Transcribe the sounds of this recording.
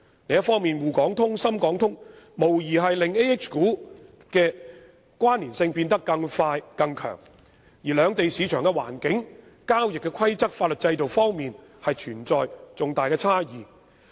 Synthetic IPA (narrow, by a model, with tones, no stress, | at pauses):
le˨˧jɐ˥tfɔː˥ŋmiː˨nwuː˨˩kɔː˨˥ŋt̪ʰʊ˥ŋsɐ˥mkɔː˨˥ŋt̪ʰʊ˥ŋ | mo˨˩wjiː˨˩ɦɐ˨jlɪ˨ŋe˥ɛ˥k̚t͡ʃkuː˨˥ | kɛː˧ | kwaː˥nːiː˨˩nsɪ˧ŋpiː˧nt̪ɐ˥kːɐ˧ŋfaː˧jkɐ˧ŋkʰœ̰ː˨˩ŋ | jiː˨˩lœː˨˧ŋt̪e˨jsiː˨˧t͡ʃʰœː˨˩ŋkɛ˧wa̰ː˨˩nkɪ˨˥ŋ | kaː˥wjɪ˨kːɛ˧kʰɐ˥jt͡sɐ˥k̚faː˧t̚lɵ˨˩t̚t͡sɐ˧jt̪o˨wfɔː˥ŋmiː˨nhɐ˨jt͡ʃʰyː˨˩nt͡sɔː˨jt͡sʊ˨ŋt̪aː˨jkɛː˧t͡sʰaː˥jiː˨˩